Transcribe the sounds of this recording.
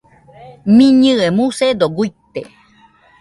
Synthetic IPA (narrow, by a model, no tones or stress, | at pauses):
mĩɲɨemused̪oɡuit̪e